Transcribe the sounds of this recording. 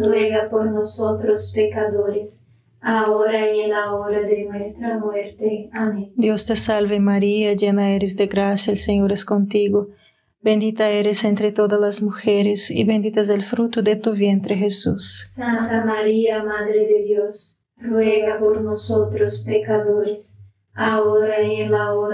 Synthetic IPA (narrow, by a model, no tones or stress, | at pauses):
rweɡapoɾnosot̪ɾospekad̪oɾes | aoɾɐelaoɾad̪enwɛst̪ɾamwɛɾt̪eamẽd̪jost̪esalvemaɾiɐd͡ʒenɐeɾezd̪eɡɾasjɐelseɲoɾeskõnt̪iɡo | bẽnd̪it̪ɐeɾesẽnt̪ɾet̪od̪ɐzlazmuxeɾesḭbẽnd̪it̪ɐzd̪elfɾut̪ud̪et̪uβjẽnt̪ɾexesussãnt̪amaɾiɐmaðɾed̪ed̪jos | rweɣapoɾnosot̪ɾospekaðoɾes | aoɾaelao